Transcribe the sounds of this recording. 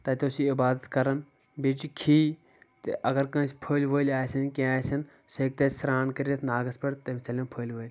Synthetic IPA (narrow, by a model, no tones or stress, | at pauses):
t̪ɐt̪osiːɪbaːd̪ət̪kɐɾɐn | bɪt͡ʃkʰiː | t̪ʔɐɡɐɾkɐ̃sʲpʰoːlʲʋəːlʲaːsinkẽaːsɐn | seːk̚t̪eːsɾaːnkɐɾet̪ʰnaːɡɐspɐɽt̪ɐmt͡ʃɐlõnpʰoːlʋəːlʲ